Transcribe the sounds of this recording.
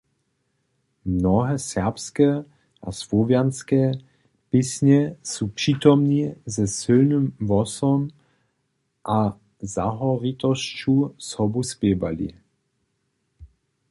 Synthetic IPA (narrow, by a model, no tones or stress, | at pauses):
mnɔɦɛsɛʁpskɛ | ʔa̰svɔvjanskɛ | pisɲɛsupʂiːt̪ɔmnizɛsɪlnimvɔsɔm | ʔa | zaɦɔrit̪ɔst͡ʃusɔbuspjɛːvalḭ